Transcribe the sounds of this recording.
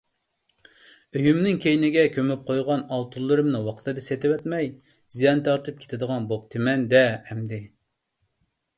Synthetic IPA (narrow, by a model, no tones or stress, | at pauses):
øjymnɪŋkʲejnɪɡʲɛkʲʰømyp̚qʰojʁɑnɑlˠt̪ʰulˠːɨɾɨmnɨwɑqʰt̪ʰɨd̪ɨset̪ɪwɛt̪mɛj | z̥ijɑnt̪ʰɑɾt̪ʰɨp̚kʲʰe̥t̪ʰɪd̪əʁɑnbop̚t̪ʰɪmɛnd̪ɛhɛmd̪ɪ